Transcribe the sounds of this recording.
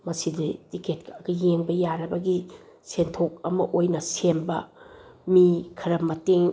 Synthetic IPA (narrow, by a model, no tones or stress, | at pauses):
mɐsiditiket̚kɐɐɡɐjeŋbɐjaɾɐbɐɡi | sentʰok̚ɐmɐʔojnɐsembɐmikʰɐɾɐmɐteŋ